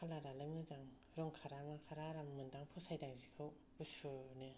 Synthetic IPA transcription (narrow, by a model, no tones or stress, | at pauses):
kʰalaɾalɯmɯzaŋ | ɾɔŋkʰaɾamakʰaɾaɾammɯndaŋpʰɔsajdaŋzikʰɯw | busɯnɯ